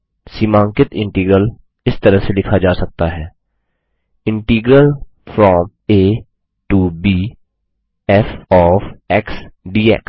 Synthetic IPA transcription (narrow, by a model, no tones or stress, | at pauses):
simãːŋkɪt̪ɪ̃ɳʈiːɡɾəl | ɪst̪əɾəɦselɪkʰad͡ʒaːsək̚t̪aɦɛː | ɪ̃ɳʈiːɡɾəl | fʰɾɔːm | eː | ʈuːbiː | ɛfɔːfɛːksɖiːɛ̰ks